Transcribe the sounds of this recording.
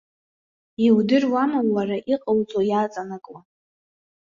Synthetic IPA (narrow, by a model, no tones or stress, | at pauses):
iwdɨrwamamlaraʔiqʼəwd͡zʼojaːt͡sʼanɨkʼwa